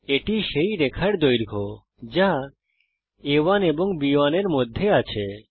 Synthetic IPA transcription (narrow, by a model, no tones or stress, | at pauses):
eʈiʃejɾekʰaɽd̪ojɾɡʱo | d͡ʑa | ewaneboŋbiwaneɾmod̪ʱːeat͡ɕʰe